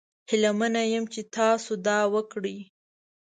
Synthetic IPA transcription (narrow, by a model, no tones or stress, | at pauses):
hɪlamanajəmt͡ʃet̪ɑsod̪ɑwəkɽi